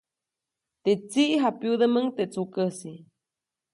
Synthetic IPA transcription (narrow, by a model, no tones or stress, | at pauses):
t̪et͡siʔɦapjud̪əməŋt̪et͡sukəsi